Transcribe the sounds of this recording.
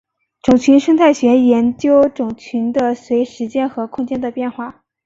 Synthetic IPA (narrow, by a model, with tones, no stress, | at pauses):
ʈ͡ʂʊ˨˩ŋt͡ɕʰy˧˥nʂɤ˥ŋt̪ʰa˥˩ɪɕɥɛ˧˥jɛ˧˥nt͡ɕjo˥ʊʈ͡ʂʊ˨˩ŋt͡ɕʰy˧˥nd̪ə˧swe˧˥ɪʂɻ̩˧˥t͡ɕjɛ˥nxɤ˧˥kʰʊ˥ŋt͡ɕjɛ˥nd̪ə˨pjɛ˥˧nxwa˥˩